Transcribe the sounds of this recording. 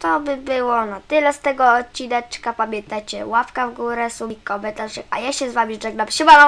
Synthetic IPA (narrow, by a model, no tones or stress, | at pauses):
t̪ɔbɘbɘwɔnat̪ɘlɛst̪ɛɡɔːt͡ɕːid̪ɛt͡ʂkapamʲjɛnt̪ajt͡ɕɛwafkavɡuɾɛsubʲikːɔbɛt̪alʂɛka̰jaɕɛzvamʲiɖ͡ʐɛɡnapɕɛbalɔ